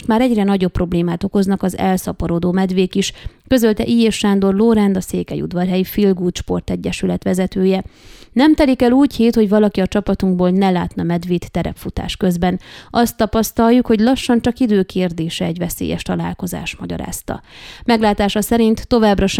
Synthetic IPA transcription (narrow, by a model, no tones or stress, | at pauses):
ʃt̪maːɾɛɟrɛnɒɟo̞pːro̞bleːmaːt̪o̞ko̞znɒkɒzɛ̰lsɒpɒɾoːd̪oːmɛd̪ʋeːkiʃkø̞zølt̪ɛʔiːjeʃːaːnd̪o̞rloɾɛnd̪ɒsḛːkɛ̰jṵd̪ʋɒrɦɛjifilɡuːt̪ʃpo̞̰rt̪ɛɟːɛʃylɛt̪ʋɛzɛt̪øːjɛnɛmt̪ɛlikɛluːcheːt̪ho̞ɟvɒlɒkiɒt͡ʃɒpɒt̪uŋɡboːlnɛlaːt̪nɒmɛd̪ʋeːt̪ːɛɾɛ̰pfut̪a̰ːʃkø̞zbɛnɒst̪ːɒpɒst̪ɒlːukho̞ɟlɒʃːɒnt͡ʃɒkid̪øːkʰeːrd̪eːʃɛːɟʋɛsḛːjɛ̰ʃt̪ɒla̰ːlko̞za̰ːʃmɒɟɒ̰ɾa̰ːst̪ɒ̰mɛɡlaːt̪aːʃɒsɛɾint̪ːo̞vaːbrɒʃ